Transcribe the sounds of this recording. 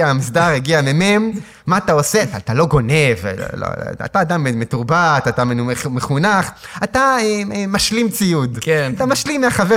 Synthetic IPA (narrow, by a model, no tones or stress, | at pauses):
aamisd̪aʁeɡiamememː | aat̪ao̞seat̪alo̞ɡo̞ne̞v̰lo̰a̰taːd̪amemetuʁbat̪at̪ammeχunaχataemaʃlimt͡sijud̪keatamaʃlimːeaχave